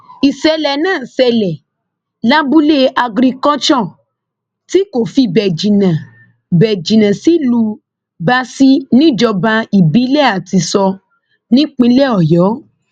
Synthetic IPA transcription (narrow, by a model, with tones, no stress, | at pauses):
i˨sɛ˧lɛ˨nãː˦˨sɛ˧lɛ˨ | la˦bu˦le˦a˧ɡɾi˧kɔ˦t͡ʃɔ˦˨ | ti˦ko˨fi˧bɛ˨d͡ʒĩ˨nã˨ | bɛ˨d͡ʒĩ˨nã˨si˨˦lu˧ | ba˧˦si˦nĩ˦d͡ʒɔ˧ba˧i˨bi˨˦lɛ˦˨a˨ti˧sɔ˧ | nĩ˦k͡pĩ˧˦lɛ˦˨ɔ˨jɔ˨˦